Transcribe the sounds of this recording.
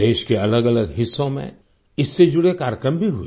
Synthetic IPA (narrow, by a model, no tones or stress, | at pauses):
d̪eːʃkeɐləɡɐləɡɦɪsːõmḛ̃ | ɪsːed͡ʒʊɽekaːɾjkɾəmbʱiɦʊi